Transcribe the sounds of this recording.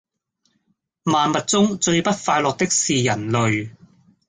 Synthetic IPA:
maː˨nmɐ˨t̚t͡sʊ˥ŋt͡ʃɵ˧ɥpɐ˥t̚faː˧jlɔː˨k̚t̪ɪ˥k̚siː˨jɐ˨˩nlɵ˨ɥ

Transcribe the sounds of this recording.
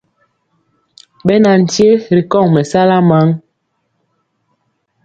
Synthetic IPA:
ɓɛ˦na˨n̩˨tje˦ɾi˨kɔ˦˨ŋmɛ˨sa˦la˦ma˨˦ŋ

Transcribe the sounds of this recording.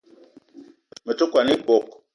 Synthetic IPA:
mə˨to˦kwa˨ni˦bɔ˨k̚

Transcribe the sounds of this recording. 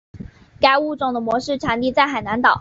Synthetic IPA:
ka˥ɪu˥˧ʈ͡ʂʊ˥˩ŋd̪ə˩mwɔ˧˥ʂɻ̩˥˩ʈ͡ʂʰa˧˥nt̪i˥˧t͡sa˥˩ɪxa˨˩na˧˥nt̪ɑ˨˩˦ʊ

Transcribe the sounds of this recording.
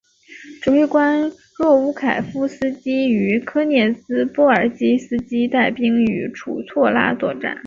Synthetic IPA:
ʈ͡ʂ̩˨˩wɪkwa˥n | ɻwɔ˥˩u˥kʰa˨˩ɪfu˥sɹ̩˥t͡ɕi˥y˧˥kʰɤ˥njɛ˥˩sɹ̩˥pwɔ˥˩ə˞˨˩t͡ɕi˥sɹ̩˥t͡ɕi˥t̪a˥˩ɪpi˥ŋy˧˥ʈ͡ʂʰṵ˨˩t͡sʰwɔ˥˧la̰˥t͡swɔ˥˧˩ʈ͡ʂa̰˥˩˦n

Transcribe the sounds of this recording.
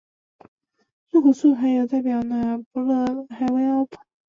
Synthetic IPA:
nu˥˩xu˨˩su˥˩xa˧˥ɪjo˨˩ʊt̪a˥˩ɪpjɑ˨˩ʊnə˧pɔ˧˥lɤ˥˧˩xa˧˥ɪwe˥˧ɪa˥pʰə̥˨˥˩

